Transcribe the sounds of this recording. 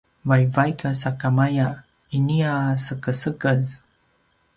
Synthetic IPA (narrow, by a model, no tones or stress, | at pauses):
vajvajkasakamaja | iniasəkəsəkəz